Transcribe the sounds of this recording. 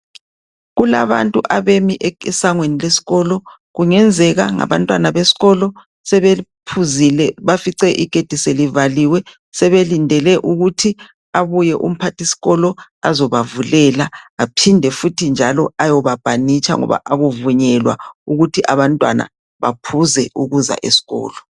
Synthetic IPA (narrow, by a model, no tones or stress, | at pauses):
ɣula̰βa̰ntʼuʔaβemiʔɛɛsaŋwenilesi̥ɣɔːlɔ | ɣuŋɛnd͡zʱɛɣa̰ŋa̰βa̰ntʼwanaβesi̥ɣɔlɔ | sɛβepʰuzilɛβafiǀɛʔiɡ̥ʱed̥ʱiselivaliwɛ | sɛβelindʱɛlɛʔuɣutʰi | aβujɛʔṵm̩pʰatisi̥ɣɔlɔazɔβavulɛlaːpʰindʱɛfutʰind͡ʒʱalɔajɔβab̥ʱanit͡ʃʰʼa̰ŋɔ̰βa̰ʔaɣuvuɲɛlwa̰uɣutʰiʔaβantʼwa̰na̰ | βa̰pʰuzɛuɣuza̰ʔḛsi̥ɣɔ̰ːlɔ